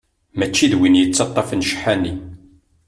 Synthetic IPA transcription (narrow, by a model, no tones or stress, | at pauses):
mæt͡ʃːiðwinjət͡sːɑt̪ˤːɑfənʃə̥ħːænːi